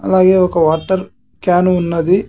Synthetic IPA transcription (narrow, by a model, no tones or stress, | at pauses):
ɐ̰lːaːɡeːokːɐʋaːʈːɐɾ | kaːnuunːɐd̪i